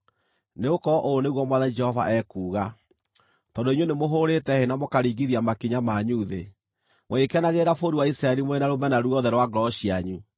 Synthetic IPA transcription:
neokɔʔoːneɣwɔmwaðad͡ʒɛhɔva̰ʔɛkuːɣa | tɔdoiɲwenemoɦoɾetɛhenamokaɾiːɡiðiamakiɲamaɲuðe | moekɛnaɣeɾafoɾuwaisɾaɛɾimoɛnaɾomɛnaɾuɔðɛɾwaɡɾɔɕiaɲu

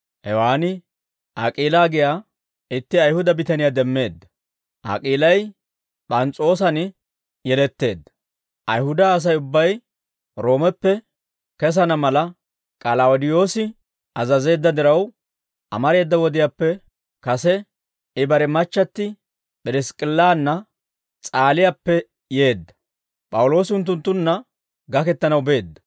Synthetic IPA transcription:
hɛwaːnɪ | ʔakʼiːlaːɡɪjaː | ɪt̪ːɪɐjhʊd̪ɐbɪt̪ɐnɪjad̪ɛmːe̞ːd̪ːɐ | ʔa̰kʼiːlɐj | pʼɐnt͡sʼo̞ːs̬ɐnɪ | jɛlɛt̪ːe̞ːd̪ːɐ̥ | ʔɐjhʊd̪ɐːs̬ɐjʊbːɐj | ɾo̞ːmɛpːɛ | kɛs̬ɐnɐmɐlɐ | kʼɐlɐʊd̪ɪjo̞ːsɪ | ɐzɐze̞ːd̪ːɐd̪ɪɾɐw | ʔɐ̰mɐɾe̞ːd̪ːɐwɔd̪ɪjaːpːɛ | kɐsɛ | ɪbɐɾɛmɐt͡ʃːɐt̪ːɪ | pʼɪɾɪskʼɪlːaːnːɐ | t͡sʼaːlɪjapːɛ | je̞ːd̪ːɐ | pʼɐwʊlo̞ːsɪʊnt̪̬ːʊnt̪ːʊnːɐ | ɡɐkɛt̪ːɐnɐwbe̞ːd̪ːɐ̥

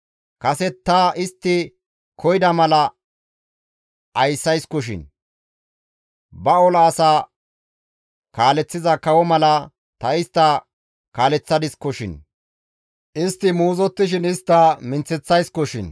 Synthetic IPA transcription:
kɐsɛt̪ːɐʔɪst̪ːɪ | kʰɔjd̪ɐmɐlɐ | ɐjsːɐjskɔʃɪ̰n | bɐɔlɐːsaː | kaːlɛt͡sːɪzɐkɐwɔmɐlɐ | t̪ɐɪst̪ːɐ | kaːlɛt͡sːɐd̪ɪskɔʃɪ̰n | ʔɪst̪ːɪmuːzɔt̪ːɪʃ̬ɪnɪst̪ːɐmɪnt͡sːɛt͡sːɐjskɔʃɪ̰n

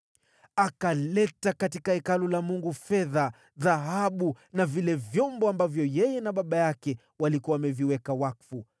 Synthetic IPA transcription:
akalɛtakatikahɛkalɔlamuŋɡufɛða | ðaɦaɓu | navilɛvjɔmbɔambavjɔjɛjɛnaɓaɓajakɛ | walikuwamɛviwɛkawakfu

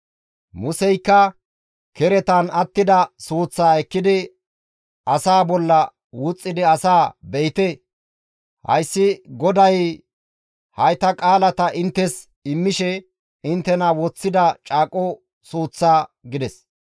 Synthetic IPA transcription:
mʊsɛjkːɐ | kɛɾɛt̪ɐnɐt̪ːɪd̪ɐsuːt͡sːaːɛkːɪd̪ɪ | ɐsaːbɔlːɐ | wʊt͡sʼːɪd̪ɪɐsaːbɛjt̪e | hɐ̰jsːɪɡɔd̪ɐj | hɐjt̪ɐkʼaːlɐt̪ɐʔɪnt̪ːɛs | ɪmːɪʃɛ | ɪnt̪ːɛnɐwɔt͡sːɪd̪ɐt͡ʃʼaːkʼɔ | suːt͡sːaːɡɪd̪ɛs

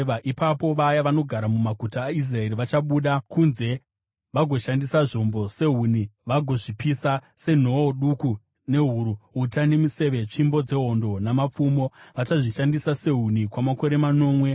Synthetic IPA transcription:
ʋaʔipapo̞ʋajaʋano̞ɡʱaɾamumaɡʱutaːis̬rae̞riʋat͡ʃaɓuɗakunze̞ | ʋaɡʱo̞ʃandisaʐo̞mbo̞se̞ɦuːniʋaɡʱo̞ʐipisase̞n̤o̞oɗuku | ne̞ɦuɾuɦutane̞mise̞ʋe̞t͡ʂimbo̞d͡ze̞ɦo̞ndo̞namap͡fumo̞ʋat͡ʃaʐiʃandisase̞ɦunikwamako̞ɾe̞mano̞ːmwe̞

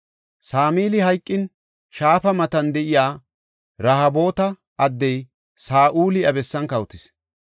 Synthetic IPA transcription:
saːmiːlɪhɐjkʼːɪn | ʃaːfɐmɐt̪ɐnd̪ɛʔɪjaː | ɾɐɦɐbo̞ːt̪ɐ | ɐd̪ːɛj | saːʔuːlɪɐbɛsːɐnkɐwʊt̪ɪs

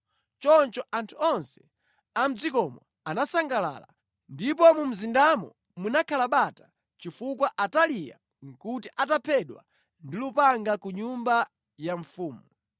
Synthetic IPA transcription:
t͡ʃɔnt͡ʃɔʔantʰuɔnsɛ̥ | am̩d͡zikɔmɔ | anasaŋɡala̰ːla | ndip̬ɔmum̩zindamɔ̰ | munakʰalaɓatḁ | t͡ʃifukwaʔatalija̰ | ŋ̩kutiʔatapʰɛɗwa̰ | ndilupaŋɡakuɲumba | jaɱ̩fuːmu

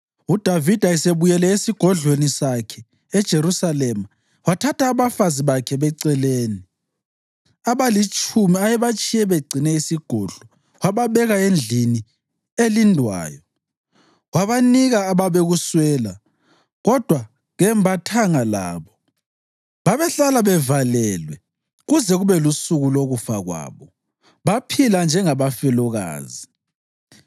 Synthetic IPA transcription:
ud̥ʱavid̥ʱaɛseβujɛlɛesiɡ̥ʱɔɮwenisakʰɛ | ɛd̥ʒ̥ʱeɾusalɛma | watʰatʰaːβafaziβakʰɛβɛǀɛleːni | aβalit͡ʃʼʰumiajɛβat͡ʃʰʼijɛβeɡ͡ǀʱinɛisiɡ̥ʱɔɮ̥ɔ | waβaβɛɣaend͡ɮʱini | elindʱwa̰ːjɔ | waβaniɣaːβaβeɣuswɛːla | ɣɔd̥ʱwa | ɣɛmbʱatʰaŋala̰ːβɔ | βaβɛɬalaβɛvalɛlwɛ | ɣuzɛɣuβɛlusuɣuloɣufaɣwa̰ːβɔ | βapʰiland͡ʒʱɛŋaβafɛlɔɣa̰ːzi

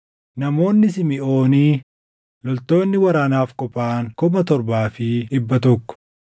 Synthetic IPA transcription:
nɐmo̞ːnːɪsɪmɪʔo̞ːniː | lɔlt̪o̞ːnːɪwɐɾaːnaːfkɔpʼaːŋkɔbɐt̪ɔɾbaːfɪʔɪbːɐt̪ɔkːɔ̥

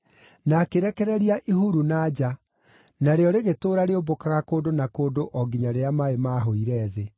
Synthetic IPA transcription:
nakeɾɛkɛɾɛɾiaʔiɦuɾunad͡ʑa | naɾeɔɾeɣetoːɾaɾeobokaɣakoːndonakoːndoʔɔɡiɲaɾeamaemaːɦoiɾɛːðe

